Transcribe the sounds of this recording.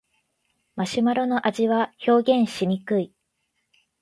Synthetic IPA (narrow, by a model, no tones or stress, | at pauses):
maɕimaɾo̞no̞ʔaʑiβaço̞ːɡʲẽ̞ɰ̃ɕimʲikɯ̟i